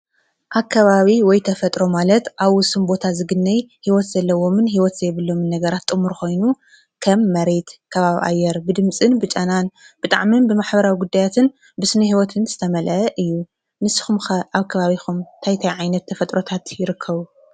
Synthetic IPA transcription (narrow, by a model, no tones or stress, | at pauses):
ʔakʰːɐβaβiwɔjt̪ʰɐfɐt̪ʼɾo̞malɐt̪ʔaβwʊsumbo̞t̪ʰazɨɡɨnːɐjhiwɔt̪zɐlːɐwo̞mɨnɦiwɔt̪z̥ɐjβɨlːo̞mɨnːɐɡɐɾat̪ːʼɨmuɾxo̞jnu | kʰɐmːɐɾe̞t̪kʰɐβaβʔa̰jːɛɾbɨd̪ɨmt͡sʼɨnbɨt͡ʃʼɐnanb̥ɨt̪ʼa̰ʕminbɨmaħbɐɾawiɡud̪ːajat̪ʰɨn | bɨsɨnɐhiwɔt̪ʰɨnz̥ɨt̪ʰɐmɐlʔɐʔɨjːu | nɨsːɨ̥xumxɐʔaβkʰɐβaβixumt̪ʰajt̪ʰajʕajnɐt̪ːʰɐfɐt̪ʼɾo̞t̪ʰat̪jɪɾɨkʰːɐβu